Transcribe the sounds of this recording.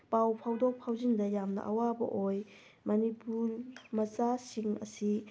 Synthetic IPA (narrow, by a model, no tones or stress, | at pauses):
pawpʰawdok̚pʰawzindɐjamnɐ̰ʔɐwabɐ̰ʔoj | mɐnipuɾmɐt͡ʃasiŋɐ̰si